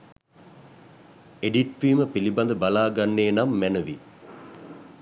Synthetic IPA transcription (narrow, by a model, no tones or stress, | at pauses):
eɖiʈʋiːməpilibɐnd̪əbalaːɡanːeːnamːænəʋi